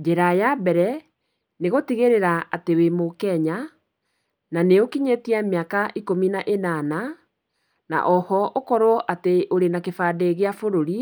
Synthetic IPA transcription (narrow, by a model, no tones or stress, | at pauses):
d͡ʒeɾajabɛɾɛ | neɣotiɣeɾeɾaatewemokɛɲa | naneokiɲetiameakaʔikominaʔenana | na̰ʔɔhɔʔokɔɾwɔʔateʔoɾenakefaːdeɣeafoɾoɾi